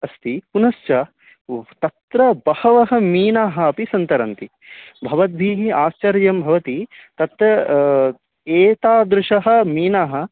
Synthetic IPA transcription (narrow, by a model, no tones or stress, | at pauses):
ɐst̪ipunɐst͡ʃɐ | t̪ɐt̪ɾɐbɐhɐʋɐɦɐ̆miːnaːɦɐːpisɐnt̪ɐɾɐnt̪i | bʱɐʋɐd̪̚bʱiːɦiaːst͡ʃɐɾjɐmbʱɐʋɐt̪it̪ɐt̪ɾɐ | eːt̪aːd̪ɾɪʂɐɦɐ̆miːnaːɦɐ̆